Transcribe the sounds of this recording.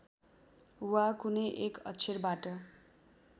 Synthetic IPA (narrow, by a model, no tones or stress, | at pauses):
wakunʌjʔekʌ̰t͡sʰiɾbaʈʌ